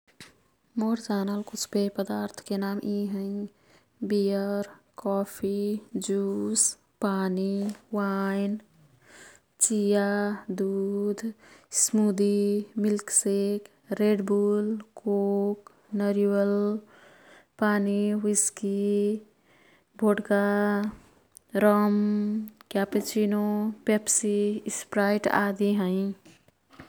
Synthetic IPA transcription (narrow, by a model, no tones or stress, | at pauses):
moːɾd͡ʒaːnəlkʊt͡ʃʰbepəd̪aːɾt̪ʰkenaːmʔiɦə̃ĩ | bijəɾkɔːpʰid͡ʒuːs | paːniwaːɪn | t͡ʃijad̪uːd̪ʱsmuːd̪imɪlksek | ɾeɖbulkoːk | nəɾiwəl | paːniwiski | bʱoʈka | ɾəmkjapet͡ʃʰinopepsispɾajʈa̰d̪iɦə̃ĩ